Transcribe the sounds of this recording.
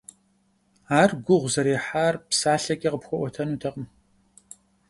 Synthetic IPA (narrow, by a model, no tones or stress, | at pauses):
aːrɡʷʊʁʷzɐɾeːħaːrpsaːɬɐkʼiqəpxʷɔʔʷɔtʰɐnuːtʰɐqʼəm